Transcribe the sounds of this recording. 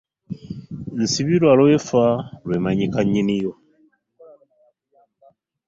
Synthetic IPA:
n̩siβiɾwaloefalwemaɲikaɲinijo

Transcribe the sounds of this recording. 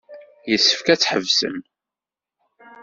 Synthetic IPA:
jəsːəfkæt͡sːħə̰vsə̰m

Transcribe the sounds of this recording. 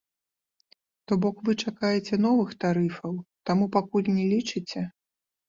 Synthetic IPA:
t̪ɔbɔkvɨt͡ʂakajɛt͡sʲɛnɔvɨxt̪aɾɨfɐwt̪amupakulʲnʲɛlʲit͡ʂɨt͡sʲɛ

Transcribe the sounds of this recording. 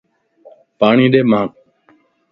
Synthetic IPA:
paːɳiːɗeːmãːk̚

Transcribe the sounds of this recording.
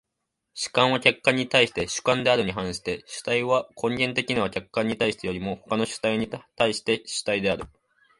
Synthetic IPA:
ɕɨ̥kãɰ̃βakʲakːãɲ̟ːit̪aiɕi̥t̪e̞ɕɨ̥kãnd̪e̞aɾɯ̟ɲ̟iɦãɰ̃ɕi̥t̪e̞ɕɨ̥t̪aiβakʰõ̞ŋɡʲẽ̞nt̪̬e̞kʲinaβakʲakːãɲ̟ːit̪aiɕi̥t̪ejo̞ɾʲimo̞ho̞kano̞ɕɨ̥t̪aiɲ̟it̪aiɕi̥t̪e̞ɕɨ̥t̪aid̪e̞aɾɯ̟

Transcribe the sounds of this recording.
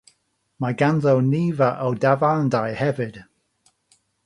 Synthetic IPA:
majɡanðowniːvaʔowdavandajhɛvɪd̥

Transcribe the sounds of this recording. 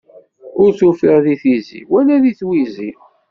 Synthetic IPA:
ʊɾθufiʁðiθizḭwænæðiθwizi

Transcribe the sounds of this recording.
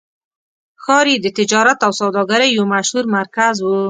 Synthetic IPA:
xɑɾid̪ət̪ɪd͡ʒɑɾat̪awsawd̪ɑɡaɾajːomaʃhuɾmaɾkazwu

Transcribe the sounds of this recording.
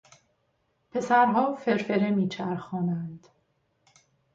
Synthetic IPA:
pʰe̞sæɾɦɒːfe̞ɾfe̞ɾemiːt͡ʃʰæɾxɒːnænd̪̥

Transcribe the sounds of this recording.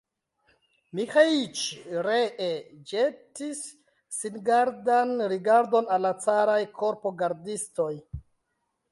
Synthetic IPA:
mixait͡ʃɾeʔed͡ʒetisː | inɡaɾdanɾiɡaɾdo̞nalːat͡saɾajkʰo̞ɾpo̞ɡaɾdisto̞j

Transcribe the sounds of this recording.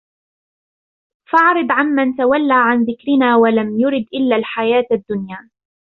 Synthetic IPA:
fɑʕɾɨd̪ʕanmant̪awalːaːʕanðɪkɾɪnaːwalamjʊɾɪd̪ʔɪlːaːlħajaːt̪ad̪ːʊnjaː

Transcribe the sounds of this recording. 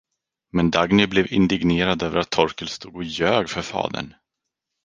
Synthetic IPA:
mɛnd̪aɡnɪblɛvɪnd̪ɪɡneːɾad̪øːvəɾat̪ʰːɔɾkəlst̪uːɡɔjøːɡfœɾfɑ̰ːd̪ə̰ɳ

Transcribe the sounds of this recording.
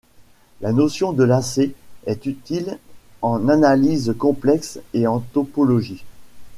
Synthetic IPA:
lanosjɔ̃d̪əlaseɛt̪yt̪ilɑ̃nanalizkɔ̃plɛkseɑ̃t̪ɔpɔlɔʒi

